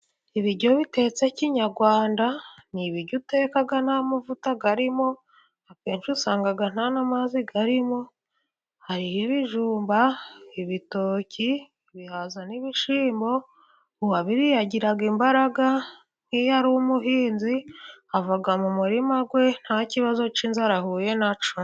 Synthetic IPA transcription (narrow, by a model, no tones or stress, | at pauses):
iβiɾɟo̞βite̞t͡seciɲaɾɡwaːndaniβiɾɟute̞ːkaɡanamuvutaɡaɾimo̞ | akeːnʃusaːŋɡaɡan̥anamaziɡaɾimo̞ | haɾihiβiʒuːmbaiβitoːcʰiː | βihazaniβiʃiːmbo̞ | uwaβiɾijaɟiɾaɡimbaɾaɡa | n̥ijaɾuumuɦiːnziavaɡamumuɾimaɡwe̞n̥haciβazo̞t͡ʃinzaɾahuːje̞nat͡ʃu